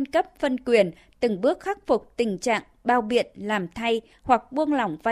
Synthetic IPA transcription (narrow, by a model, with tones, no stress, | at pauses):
nkə˦˥p̚fə˧nkwi˨˩ən | t̪ɨ˨˩ŋɓɨ˦˥ək̚xa˦˥k̚fʊ˨˩k͡p̚t̪ï˨˩ŋ̟t͡ɕa̰ː˧˨ŋɓaː˧˩wɓḭ˧˨ənlaː˨˩mt̪ʰa˧j | hwa˨˩k̚ɓu˧ənla˨˩wŋ͡mva˧